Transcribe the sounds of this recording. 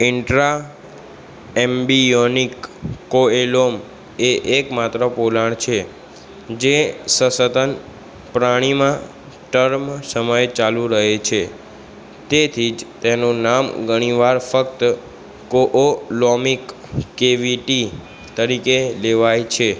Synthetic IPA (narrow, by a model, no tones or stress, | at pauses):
ɪɳʈɾa | embionikːoelom | eʔekmat̪ɾəpolaɳ̃t͡ʃʰe | d͡ʒesəsət̪ən | pɾaɽ̃imã | ʈəɾmsəməjt͡ʃalũɾəɦet͡ʃʰe | t̪et̪ʰid͡ʒt̪enunamɡʱəɽ̃iʋaɾfəkt̪ | koʔolomikː | eʋiʈi | t̪əɾikeleʋajt͡ʃʰe